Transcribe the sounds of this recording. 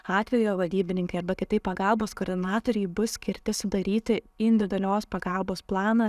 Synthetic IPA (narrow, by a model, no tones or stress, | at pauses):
ɑːt̪ʲʋʲɛjoːʋɐlʲd̪ʲiːbʲɪnʲɪŋkɐɪɐɾbɐkʲɪt̪ɐɪpːɐɡɐlˠboːskoːɾʲd̪ʲɪnɑːt̪oːɾʲɛɪbʊssʲkʲɪɾʲt̪ʲɪsʊd̪ɐɾʲiːt̪ʲɪ | ɪnʲd̪ʲɪd̪ʲɛlʲoːspɐɡɐlˠboːsplˠɑːnɐ